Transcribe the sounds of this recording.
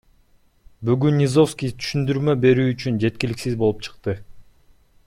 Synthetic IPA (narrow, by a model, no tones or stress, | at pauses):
byɡynːʲizo̞fskʲijt̪ʰy̥ʃynd̪yɾmø̞be̞ɾyːt͡ʃynd͡ʒe̞t̪̚kʲiliksizbolˠupt͡ʃʰɯ̥qt̪ɯ